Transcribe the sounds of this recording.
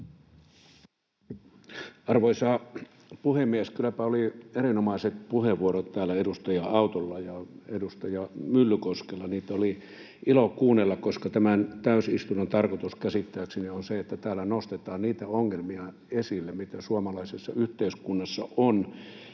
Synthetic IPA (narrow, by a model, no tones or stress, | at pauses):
ɑrʋoisɑː | puhemːiæskylːæpæolieɾinomɑiset̪̚puheʋʋuoɾot̪t̪æːlːæedust̪ɑjɑɑut̪olːɑjɑedust̪ɑjɑmylːykoskelːɑniːt̪æoli | ilokkuːnːelːɑkkoskɑt̪æmænt̪æysist̪unɑnt̪ɑrkot̪uskæsit̪ːæːksinionseet̪ːæt̪æːlːænost̪et̪ɑːnniːt̪æoŋːelmiɑ | esilːemit̪æsuɑmɑlɑisesːɑyht̪eyskunːɑsːɑ̰on